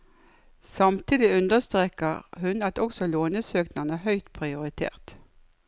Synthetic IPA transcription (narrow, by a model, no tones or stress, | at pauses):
sɑmt̪ʰid̪ɪʉnd̪əst̪ʁeːkəʁhʉnɑt̪ɔksɔloːnəsøːknɑnəhœʏt̪pʰʁɪʊʁɪt̪ʰḛːʁt̪